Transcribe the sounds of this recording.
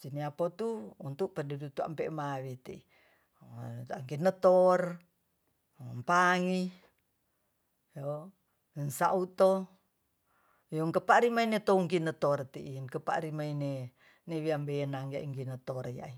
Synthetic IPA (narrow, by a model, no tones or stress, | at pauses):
siniapot̪uunt̪uʔpədidut̪ua̰mpɛʔmawit̪ii | aŋkinət̪ɔr | mpaŋi | jo | nsa̰ʔut̪o | joŋkəpaɾimainet̪ouŋkinət̪ɔrt̪iʔiŋkəpa̰ʔɾimaine | newiambenaŋia̰ʔiŋkinət̪ɔrja̰ʔi